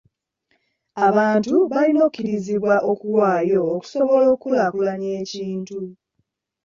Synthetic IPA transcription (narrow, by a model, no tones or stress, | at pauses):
aβaːntuβalino̞kiɾiziβwaʔokuwaːjo̞ːku̥so̞βo̞lo̞ːkulakulaɲe̞ːciːntu